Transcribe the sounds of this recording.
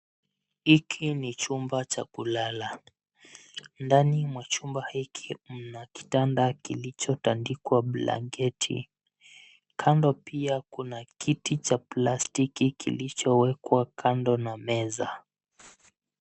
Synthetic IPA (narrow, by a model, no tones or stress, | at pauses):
hikʰinit͡ʃumbat͡ʃa̰kulala | ndanimwat͡ʃumbahikʰim̩naki̥tandakilit͡ʃɔtandikwaɓla̰ŋɡɛtʰḭ | kʰandɔpiakunakitit͡ʃaplastikikḭlit͡ʃɔwɛkwakʰandɔnamɛza